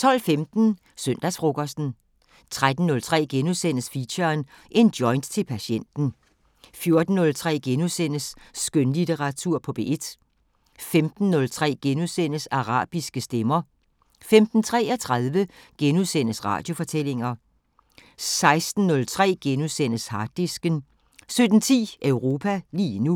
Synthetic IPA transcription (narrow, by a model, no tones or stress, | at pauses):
t͡sʰɒ̽l̰femd̥n̩ | søn̰d̥æsfʁo̝kʰɒsd̥n̩ | t͡sʰʁad̥n̩ːɔ̽lt͡sʰʁɛ̰ːɡ̥enusen̰əsfiɕɐːnʔe̝nd̥jɒ̽ɪnd̥t͡sʰe̝lpʰæɕen̰d̥n̩ | fjo̝ɐd̥n̩ːɔ̽lt͡sʰʁɛ̰ːɡ̥enuðˠsen̰əsːɡ̥ønlit͡sʰeʁɑ̈t͡sʰuɐ̰pʰɒ̽b̥e̝̰ʔe̝d̥ | femd̥n̩ːɔ̽lt͡sʰʁɛ̰ːɡ̥enuðˠsen̰əsɑ̈ʁɑ̰̈ːb̥isɡ̥əsd̥emɐ | femd̥n̩t͡sʰʁɛ̰ːɐt͡sʰʁɑðˠʋəɡ̥enuðˠsen̰əsʁɑ̰̈ːd̥jo̝fɒ̽t͡sʰel̰e̝ŋɐ | sɑ̈ɪsd̥n̩ːɔ̽lt͡sʰʁɛ̰ːɡ̥enusen̰əshɑ̈d̥isɡ̥ən | sød̥n̩t͡sʰḭːʔœʊʁo̝ːpʰæliːnu